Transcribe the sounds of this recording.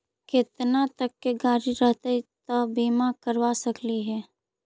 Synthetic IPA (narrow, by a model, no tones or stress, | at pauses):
kɪt̪nat̪ɐkːeɡaːɾiɾəɦt̪et̪əbiːmakəɾwasɐkliɦɛː